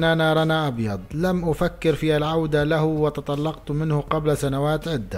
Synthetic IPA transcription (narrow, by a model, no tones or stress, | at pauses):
nʔanaɾˤanaʔɑbjɑd̪ˤlamʔʊfakːɪɾfiːhalʕawd̪alahwɪt̪ɑt̪ˤɑlːɑqt̪mɪnhʊqɑblsanawaːt̪ʕɪd̪ːa